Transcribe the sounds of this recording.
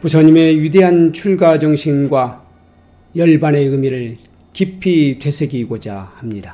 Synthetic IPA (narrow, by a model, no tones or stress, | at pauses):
pusʰʌɲime̞jude̞ɦant͡ɕʰuɭɡad͡ʑʌŋɕʰimɡwa | jʌɭbane̞ɯmiɾɯɭ | kipʰitwe̞sʰe̞ɡiɡod͡ʑahamɲid̥a